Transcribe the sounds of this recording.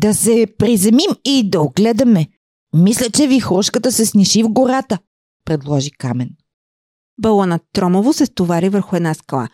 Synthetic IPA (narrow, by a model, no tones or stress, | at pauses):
d̪ɐsɛpɾizɛmimid̪ɐoɡlɛd̪ɐmɛ | mislʲət͡ʃɛvixlɔʃkət̪əsɛsniʃivɡoɾat̪ə | pɾɛd̪lˠɔʒikamɛn | bəlˠənɐt̪ːɾɔmovosɛst̪ovaɾivəɾxʊɛd̪naskɐlˠa̰